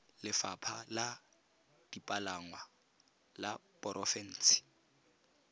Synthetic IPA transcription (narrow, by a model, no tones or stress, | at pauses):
lɪfapʰala | d̥ipʼalaŋwa | lapʼɔɾʔɔfɛn̩ːsɪ̥